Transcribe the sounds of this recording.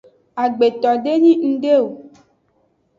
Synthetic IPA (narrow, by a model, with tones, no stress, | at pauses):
a˨ɡ͡be˨t̪ɔ˨ɖe˦ɲĩ˦ŋ̩̃˦ɖe˦o˨